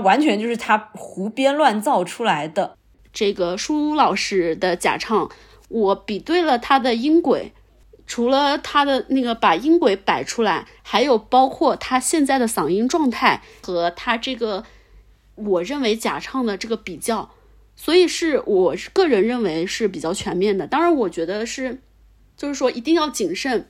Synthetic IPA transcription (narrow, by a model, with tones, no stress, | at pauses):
wa˧˥nt͡ɕʰɥɛ˧˥nt͡ɕjo˥˧ʂɻ̩˥˩t̪ʰa˥xu˧˥pjɛ˥nlwa˥˧nt͡sɑ˥˩ʊʈ͡ʂʰu˥la˧˥ɪd̪ə˧ | ʈ͡ʂɤ˥˩ɡə˩ʂu˥lɑ˨˩ʊʂɻ̩˥d̪ə˧˨t͡ɕja̰˨˩ʈ͡ʂʰɑ˥˩ŋ | wɔ˧˥pi˨˩t̪we˥˩ɪlə˩t̪ʰa˥d̪ə˨i˥ŋkwe˨˩˦ɪ | ʈ͡ʂʰu˧˥lə˧t̪ʰa˥d̪ə˨na˥˩ɡə˩pa˨˩i˥ŋkwe˨˧˥ɪpa˨˩ɪʈ͡ʂʰu˥la˧˥ɪ | xa˧˥ɪjo˨˩ʊpɑ˥ʊkʰwɔ˥˩t̪ʰa˥ɕjɛ˥˧nt͡sa˥˩ɪd̪ə˩sɑ˨˩ŋi˥ŋʈ͡ʂwɑ˥˧ŋt̪ʰa˥˩ɪ | xɤ˧˥t̪ʰa˥ʈ͡ʂɤ˥˩ɡə˩ | wɔ˨˩ɻə˥˩nwe˧˥ɪt͡ɕja̰˨˩ʈ͡ʂʰɑ˥˩ŋd̪ə˩ʈ͡ʂɤ˥˩ɡə˩pi˨˩t͡ɕjɑ˥˩ʊ | swɔ˧˥i˨˩ʂɻ̩˥˩wʔɔ˨˩kɤ˥˩ɻə˧˥nɻə˥˩nwe˧˥ɪʂɻ̩˥˩p̬i˨˩t͡ɕjɑ˥˩ʊt͡ɕʰɥɛ˧˥nmjɛ˥˩nd̪ə˩t̪ɑ˥ŋɻa˧˥nwɔ˨˩t͡ɕɥɛ˧˥d̪ə˧ʂɻ̩˥˩ | t͡ɕjo˥˧ʊʂɻ̩˥˩ʂwɔ˥i˧˥t̪i˥˧ŋjɑ˥˩ʊt͡ɕi˨˩ŋʂə˥˩n